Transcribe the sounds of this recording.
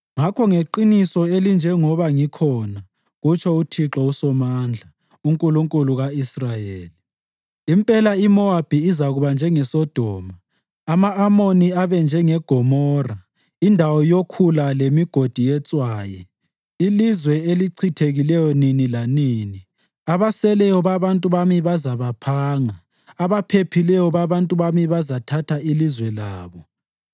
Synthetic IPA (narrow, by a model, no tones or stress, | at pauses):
ŋakʰɔŋeǃinisɔelind͡ʒʱɛŋɔβaŋikʰɔna | ɣut͡ʃʰɔutʰiǁɔusɔmaːnd͡ɮʱa | uŋkʼuluŋkʼuluɣaisrajeːli | impʼɛlaimɔab̥ʱiːzaɣuβand͡ʒʱɛŋɛsɔd̥ʱɔːmaː | maːmoniaβɛnd͡ʒʱɛŋɛɡ̥ʱɔmɔːra | indʱawɔjokʰulalemiɡ̥ʱod̥ʱijɛt͡sʼwaːjɛ | ilizwɛeliǀʰitʰeɣilɛjɔninilaniːni | aβasɛlɛjɔβaβantʼuβamiβazaβapʰaːŋaː | βapʰepʰilɛjɔβaβantʼuβamiβazatʰatʰailizwɛlaːβɔ